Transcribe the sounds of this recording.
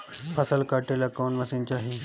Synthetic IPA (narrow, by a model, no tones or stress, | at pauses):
pʰəsəlkaʈelakonʋəsiɲt͡ɕaɦi